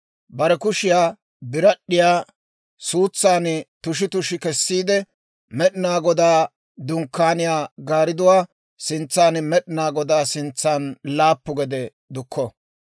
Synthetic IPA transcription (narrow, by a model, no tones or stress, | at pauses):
bɐɾɛkʊʃɪjaː | bɪɾɐɗːɪjaː | suːt͡sːaːnt̪ʊʃ̬ɪt̪ʊʃɪkɛsːiːd̪ɛ | mɛɗɪnaːɡɔd̪aː | d̪ʊŋkːaːnɪjaːɡaːɾɪd̪ʊwaː | sɪnt͡sːaːnmɛɗɪnaːɡɔd̪aːsɪnt͡sːaːnlaːpːʊɡɛd̪ɛ | d̪ʊkʰːɔ